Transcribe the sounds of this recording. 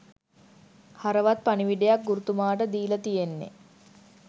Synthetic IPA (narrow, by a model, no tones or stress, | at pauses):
haɾəʋat̪̚paniʋiɖejak̚ɡuɾut̪umaːʈəd̪iːlət̪ijenːḛ